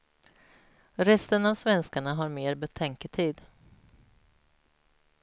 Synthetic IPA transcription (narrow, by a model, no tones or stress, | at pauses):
ɾɛst̪ənavsvɛnskaɳaɦaɾmeːɾbɛt̪ʰɛŋkət̪ʰiːd̪